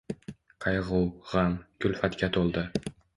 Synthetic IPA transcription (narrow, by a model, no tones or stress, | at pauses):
qʰɑjʁʊwʁɑmkʲʊlʲfat̪kʲat̪ʰolˠd̪ɪ